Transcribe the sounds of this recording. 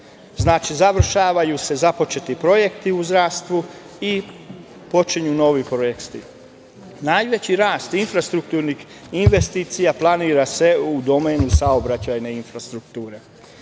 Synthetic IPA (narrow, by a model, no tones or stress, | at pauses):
znaːt͡ʃizaʋr̩ʃaːʋajuse̞zapo̞t͡ʃe̞t̪ipɾo̞je̞kt̪iuzd̪ɾast̪ʋu | i | po̞t͡ʃiɲuno̞ʋipɾojekt̪i | najʋe̞t͡ɕiɾaːst̪infɾast̪ɾuk̚t̪uːɾnix | inʋe̞st̪iːt̪sijaplˠaniːɾase̞ud̪o̞meːnusaobɾat͡ɕajne̞infɾast̪ɾukt̪uːɾe̞